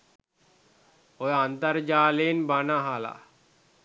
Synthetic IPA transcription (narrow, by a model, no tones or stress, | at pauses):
ojant̪əɾd͡ʒaːleːnbanaɦala̰